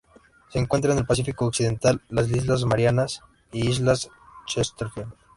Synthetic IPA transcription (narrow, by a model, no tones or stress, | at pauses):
se̞ːŋkwe̞nt̪ɾanelpasifikoːksiðe̞nt̪alːasizlazmaɾjanas | iizlas | t͡ʃest̪eɾfen